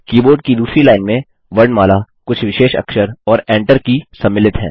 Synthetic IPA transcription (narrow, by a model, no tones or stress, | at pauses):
kiːboːɾɖ̚kid̪uːsɾilaːɪnmẽ | ʋɐɾɖmaːla | kʊt͡ʃʰʋɪʃeːʃɐ̰kʃəɾɔːɾɛ̃ːɳʈəɾkisɐmːɪlɪt̪ɦɛ̰̃ː